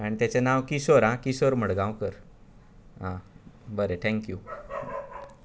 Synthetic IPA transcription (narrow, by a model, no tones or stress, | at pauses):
aɽ̃it̪jat͡ɕenaʋkiɕoɾɦãkisoɾm̤əɽɡãw̃kəɾ | ɦãbəɾet̪ʰɛ̃ŋkju